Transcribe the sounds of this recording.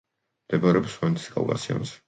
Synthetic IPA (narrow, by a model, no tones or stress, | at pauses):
md̪̥ɛbaɾɛɔpswant̪ʰi̥skʰʼa̰lˠkʼa̰siɔ̰nsɛ̥